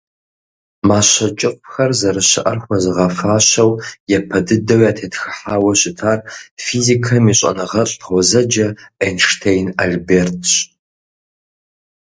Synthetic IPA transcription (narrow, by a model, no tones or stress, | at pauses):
maːɕɐt͡ʃʼɪqʷxɐrzɐɾɨɕɐʔɐrxʷɐzɨʁɐfaːɕɐwjɛpʰɐdɨdɐwjaːtʰeːtxɨħaːwɐɕʼɪtʰaːrfiːzikʰɐmiɕʼɐ̰nɨʁɐɕʼʰʷɔzɐd͡ʒɐenʂtʰejnaɮbeːrtʰɕ